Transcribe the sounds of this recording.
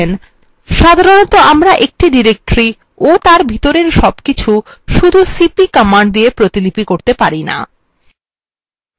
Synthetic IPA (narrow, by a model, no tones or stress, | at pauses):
en | ʃad̪ʱaɾonot̪oamɾaʔek̚ʈiɖiɾek̚ʈɾi | ot̪aɾbʱit̪oɾeɾʃɔbkit͡ɕʰuʃud̪ʱusipikɔmaɳɖ̚d̪iepɾot̪ilipikoɾt̪epaɾina̰